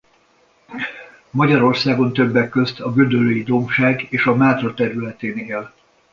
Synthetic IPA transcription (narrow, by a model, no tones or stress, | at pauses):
mɒɟɒɾo̞rsaːɡo̞nt̪ø̞bːɛkːø̞st̪ʰɒɡød̪øløːjid̪o̞mʃaːɡeːʃɒmaːt̪rɒt̪ɛɾylɛt̪eːneːl